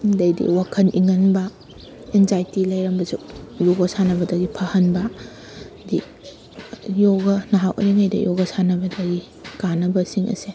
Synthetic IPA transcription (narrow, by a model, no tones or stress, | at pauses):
dɐjdḭwakʰɐniŋɐnbɐ | enzajtilɐjɾɐmbɐzuk̚joɡɐsanɐbɐdɐɡipʰɐhɐnbɐ | di | joɡɐnɐɦawʔɐ̰ɾiŋajdɐ̰jɔɡɐsanɐbɐdɐɡi | kanɐbɐsiŋʔɐ̰se